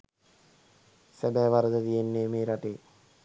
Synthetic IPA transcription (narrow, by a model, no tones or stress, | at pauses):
sæbæːʋaɾəd̪ət̪ijenːeːmeːɾaʈeː